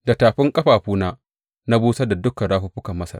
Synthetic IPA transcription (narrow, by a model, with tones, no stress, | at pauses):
da˨taː˨ɸɪ˦ŋkʼɐ˦ɸaː˨ɸuː˦naː˦ | na˦buː˦sa˦da˨dʊ˦kːɐ˨ɽaː˦ɸʊ˦ɸʊ˦kɐ˨mːɐ˦sɐ̰˦˨